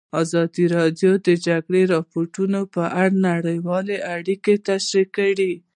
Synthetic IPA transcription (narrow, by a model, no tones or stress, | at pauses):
ɑzɑd̪iɾɑd̪jod̪əd͡ʒaɡɽeɾɑpoʈunopəʔaɽnaɽəjwɑleʔaɽiket̪aʃɾikəɽi